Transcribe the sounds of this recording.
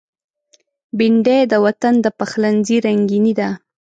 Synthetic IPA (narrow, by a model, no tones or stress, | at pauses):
bɪɳɖed̪əwat̪and̪əpaxlanziɾaŋɡinid̪a